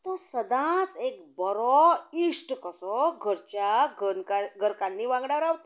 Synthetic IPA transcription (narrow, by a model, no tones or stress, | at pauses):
t̪ɔsəd̪ãt͡sekbəɾɔiʂʈkəsɔɡʱəɾt͡ɕjaɡənkaɡʱəɾkanːiʋãɡɽaʋɾawt̪